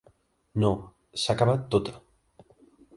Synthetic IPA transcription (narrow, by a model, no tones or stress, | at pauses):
no | sakaβat̪ːot̪ḁ